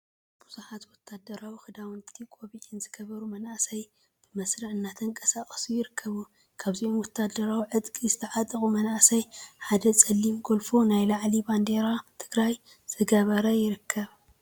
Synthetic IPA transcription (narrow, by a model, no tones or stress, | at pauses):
b̥uzuħat̪wɔt̪ʰːad̪ɐɾawixɨd̪awnt̪ʰikʼo̞βiʕinzɨɡɐβɐɾumɐnasɐj | b̥ɨmɐsɾɨʕɨnːat̪ʰɨnkʼɐsakʼɐsujɪɾɨkʰːɐβu | kʰaβziʔo̞mwɔt̪ʰːad̪ɐɾawiʕɨd̪kʼizɨt̪ʰɐʕat̪ʼɨkʼumɐnasɐjħad̪ɐt͡sʼɐlːimɡolfonajlaʕliband̪eɾat̪ʰɨɡɾaj | z̥ɨɡɐβɐɾajɪɾɨkʰːɐβ